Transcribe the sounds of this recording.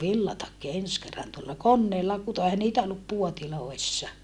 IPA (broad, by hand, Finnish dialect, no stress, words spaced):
ʋilːɑtɑkːi ens kerːɑn tuolːɑ konːeːlːɑ kuto ehæ niːtæ olːup puotiloˑisːɑ